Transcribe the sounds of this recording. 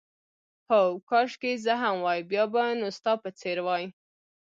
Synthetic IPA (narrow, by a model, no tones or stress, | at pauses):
hokɑʃkezəɦamwɑjbjɑbanost̪ɑpət͡seɾwɑj